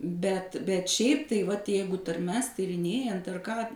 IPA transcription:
ˈbʲɛt bʲɛt ˈʃʲɛɪp tɐɪ ˈʋɐt ˈjɛɪɡʊ tɐrʲˈmʲɛs tʲiːrʲɪnʲˈeːjɛnt ɐr kɑː

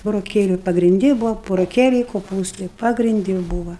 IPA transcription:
bʊroːˈkʲeːlʲʊ pɐɡrʲɪnʲˈdʲɪ ˈbʊʋɐ bʊroːˈkʲeːlʲɛɪ koːˈpuːstɐɪ pɐɡrʲɪnʲˈdʲɪ ˈbuːʋɐ

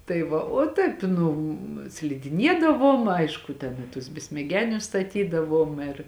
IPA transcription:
tɐɪ ˈʋɐ oː ˈtɐɪp ˈnʊ sʲlʲɪdʲɪˈnʲiɛdɐʋoːm ˈɐɪʃkʊ tʲɛn ɪ tʊs bʲɛsʲmʲɛˈɡʲæːnʲʊs stɐˈtʲiːdɐʋoːm ɪr

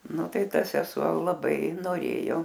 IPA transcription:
ˈnʊ ˈtɐɪ ˈtɐ sʲɛˈsuɔ lˠɐˈbɐɪ noːˈrʲeːjoː

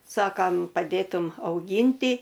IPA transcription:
ˈsɑːkɐm pɐˈdʲeːtʊm ɐʊˈɡʲiːnʲtʲɪ

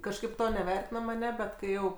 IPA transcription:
kɐʃˈkɐɪp ˈtoː nʲɛˈʋʲɛrʲtʲɪnɐm ɐˈnʲæːˈbʲɛt ˈkɐɪ ˈjɛʊ

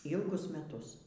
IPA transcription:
ˈiːlˠɡʊs mʲɛˈtʊs

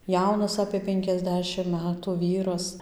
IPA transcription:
ˈjɛʊnɐs ɐpʲeː ˌpʲɛŋʲkʲɛzʲˈdʲæːʃʲɪm ˈmʲæːtʊ ˈʋʲiːrɐs

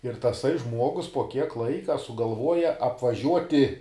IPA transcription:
ɪr tɐˈsɐɪ ˈʒmuɔɡʊs poː kʲiɛk ˈlˠɐɪkɐ sʊɡɐlˠˈʋuɔjɛ ɐpʋɐˈʒʲuɔtʲɪ

